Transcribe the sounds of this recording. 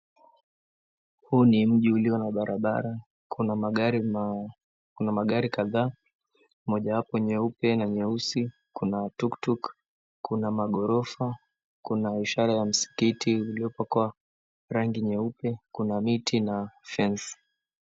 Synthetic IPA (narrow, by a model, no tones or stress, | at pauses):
huːnim̩ʄiuliɔnaɓaɾʔaɓa̰ɾa | kunamaaɾi | kunamaɠaɾikaðaː | mɔʄawapɔɲɛupɛnaɲɛusi | kunatuktuk | kunamaɠɔɾɔfa | kunaiʃaɾajam̩si̥kitiuliɔpakua | ɾaŋɡiɲɛupɛkunamitʰinafɛns